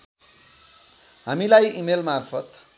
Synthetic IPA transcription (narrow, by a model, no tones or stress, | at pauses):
ɦamilajimelmarpʰʌt̪